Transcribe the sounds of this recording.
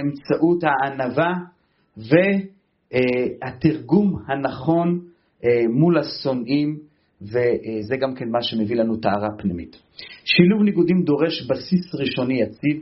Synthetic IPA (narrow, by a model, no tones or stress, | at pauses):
emt͡saʔut̪haːnava | ve | hat̪iʁɡumhanaχo̞n | mulaso̞nʔim | vezeɡamkenmaʃe̞mevilanut̪aaʁapnimḭt̪ | ʃiluvniɡud̪imd̪o̞ʁe̞ʃbasisʁiʃo̞nijat͡sid